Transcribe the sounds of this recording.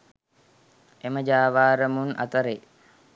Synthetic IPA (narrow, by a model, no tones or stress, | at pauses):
eməd͡ʒaːʋaːɾəmunɐ̰t̪əɾe